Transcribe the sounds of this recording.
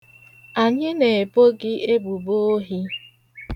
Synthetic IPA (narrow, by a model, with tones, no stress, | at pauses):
a˨ɲɪ˦ne˨e˨po˦ɡɪ˦e˦bu˨bo˦o˦ɦi˦